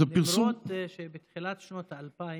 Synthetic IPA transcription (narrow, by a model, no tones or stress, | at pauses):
apiʁsot̪ʃebet̪χilat̪ʃnot̪aalpai